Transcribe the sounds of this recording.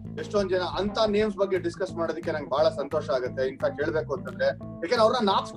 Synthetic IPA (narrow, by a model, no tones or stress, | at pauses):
eʂʈond̪d͡ʒɛnɐʔɐnt̪ʰɐneːmsbɐɡːe̞ɖiskɐsmaːɽod̪ikːe̞nɐnŋɡebʱaːɭɐsɐnt̪oːʃɐaːɡut̪ːeint̪ʰɐkɦe̞ːɭbeːkuont̪ɐnd̪ɾe | jaːkend̪ɾɐʋɾnɐnaːps